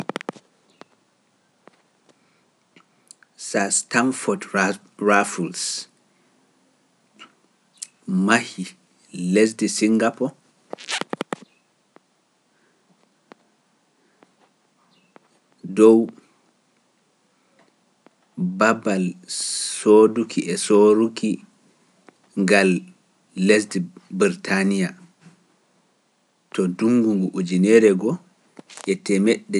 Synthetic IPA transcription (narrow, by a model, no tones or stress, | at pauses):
sastanfɔt | ɹafuls | mahi | les̬disiŋɡapɔ | dɔw | babalsodukʰiʔɛsoɾukʰi | ŋɡalː | ɛsdbiɾtʰanija | tɔduŋɡuŋɡuʔud͡ʒinɛɾɛɡɔ | ʔɛtɛmɛɗːɛ